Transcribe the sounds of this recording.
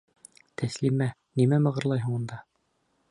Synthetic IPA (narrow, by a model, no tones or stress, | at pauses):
t̪ʰæslimænimæmɤ̆ʁɤ̆ɾlˠɑjɦŭɴɤ̆nd̪ɑ